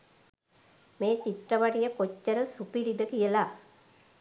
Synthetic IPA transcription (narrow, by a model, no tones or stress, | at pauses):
meːt͡ʃiʈrəʋaʈijəkot͡ʃːəɾəsupiɾid̪əkijəla